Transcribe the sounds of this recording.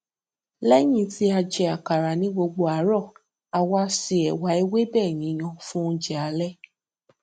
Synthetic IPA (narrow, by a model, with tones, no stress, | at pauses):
lɛ˦j̃ĩ˦ti˦a˧d͡ʒɛ˧a˨ka˨ɾa˨nĩ˦ɡ͡bo˧ɡ͡bo˧a˨˦ɾɔ˦˨ | a˧wa˧si˧ɛ˨wa˨˦i˦we˦bɛː˦˨j̃ĩ˨˦˧j̃ɔ̃˧fũ˦˧d͡ʒɛ˨a˨˦lɛ˦